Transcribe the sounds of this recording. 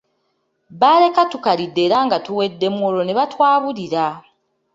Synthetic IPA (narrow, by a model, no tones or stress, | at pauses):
βaːle̞katukalidːeɾaːŋɡatuwe̞dːe̞muwolo̞neβatwaːβuliɾa